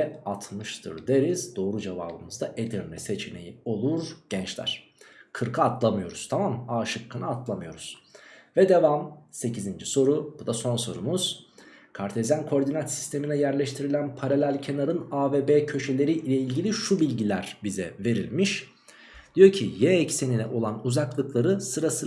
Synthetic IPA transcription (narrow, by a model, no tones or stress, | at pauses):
ɛat̪ʰmɯʃt̪ʰɯ̰ɾd̪e̞ɾizd̪o̞ːɾud͡ʒeva̰ːbɯmɯzd̪aʔed̪iɾnɛse̞t͡ʃʰinḛjḭo̞lˠuɾɟ̥ɛnt͡ʃlʲæ̰ɾ̥ | kʰɯɾkʰaat̪lˠamɯjo̞ɾuz̥t̪ʰamamaːʃɯkʰːɯnaat̪ʰlˠamɯjo̞ɾuz̥vɛd̪e̞vamse̞cʰizind͡ʒiso̞ɾubud̪aso̞nso̞ɾṵmuz̥kʰaɾt̪ʰezænkʰo̞ɾd̪inat̪si̥st̪ʰe̞minɛjæɾlʲɛʃt̪ʰiɾilʲænpʰaɾalʲælʲcʰe̞naɾɯnaːveːbecʰø̞ʃe̞lʲe̞ɾiʔilʲeilʲɟilʲiʃubilʲɟilʲæɾbizɛ̰ve̞ɾḭlʲmiʃ | d̪̥ijo̞ɾcʰijɛːcseninɛʔo̞lˠanuzaklˠɯklˠaɾɯsɯɾasɯ